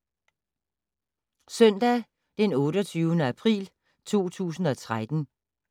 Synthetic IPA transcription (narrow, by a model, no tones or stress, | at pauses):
sœn̰d̥ɛ | d̥enɔ̽ːɾɒt͡sʰyːʊənəæpʰʁḭːl | t͡sʰo̝̰ːt͡sʰṵːsn̩ɒ̽t͡sʰʁad̥n̩